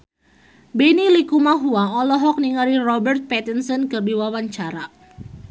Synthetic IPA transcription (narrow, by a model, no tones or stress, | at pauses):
bɛnilikumaɦuaɔlɔɦɔk̚niŋaɾirɔbɛrt̪̚pɛt̪insɔnkərdiwawaɲt͡ʃaɾa